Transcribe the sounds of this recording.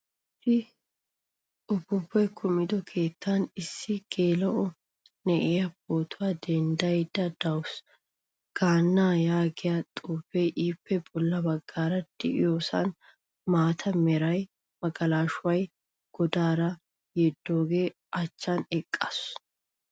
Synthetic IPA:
tɪ | ʔʊbːʊbːɔjkʰʊmɪd̪ɔkʰe̞ːt̪ːɐnɪsːɪɡ̥e̞ːlɐʔɔ | nɛʔɛjɐb̥oːt̪ʰʊwaːd̪ɛnd̪ɐjd̪ɐd̪ɐwʊs | ɡ̥aːnːaːjaːɡɪjat̪ʼuːfɛjʔiːpːɛbɔlːɐbɐɡːaːɾɐd̪̥ɪ̰ʔɪ̰jo̞ːsɐ̰n | maːt̪ʰɐmɛɾɐj | mɐɡɐlaːʃʊwɐj | ɡ̥ɔd̪aːɾɐ | jɛd̪ːo̞ːɡe̞ː | ʔɐt͡ʃːɐnɛkʼːɐs

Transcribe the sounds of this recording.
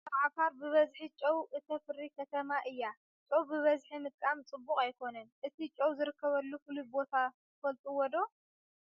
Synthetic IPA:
ʕafaɾbɨβɐzħit͡ʃʼɐwʔɨt̪ʰɐfɨɾikʰɐt̪ʰɐmaʔɨjːa | t͡ʃʼɐwbɨβɐzħimɨt̪̚ʼkʼamt͡sʼɨbːukʼajkʰo̞nɐnʔɨt̪ʰit͡ʃʼɐwzɨɾɨkːɐβɐlːufɨlubo̞t̪ʰat̪ʰɨfɐlt̪ʼuwɔd̪o̞

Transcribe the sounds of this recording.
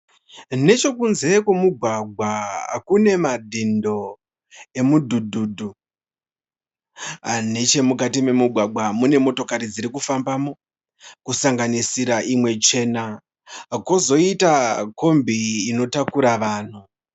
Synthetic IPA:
ne̞t͡ʃo̞kunze̞kemuɡʱwaɡʱwakune̞madʱindo̞ | e̞mudʱudʱudʱu | ane̞t͡ʃe̞mukatime̞muɡʱwaɡʱwamune̞mo̞to̞kaɾid͡ziɾikufambamo̞ | kusaŋɡanisiɾaʔimwe̞t͡ʃe̞ːna | kozo̞itako̞mbiːno̞takuɾaʋaːn̤u

